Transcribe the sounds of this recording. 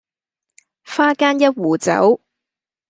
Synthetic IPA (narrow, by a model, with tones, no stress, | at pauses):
faː˥kaː˥njɐ˥t̚wuː˨˩t͡sɐ̰˨˥w